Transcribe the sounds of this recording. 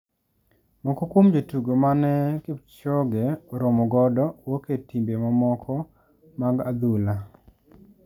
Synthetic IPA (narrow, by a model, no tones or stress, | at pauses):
mɔkɔkwomd͡ʒotuɡomanɛkɪt͡ʃɔɡeoɾomɔɡɔdɔwoketimbemamɔkʰɔ | maɡad̪ula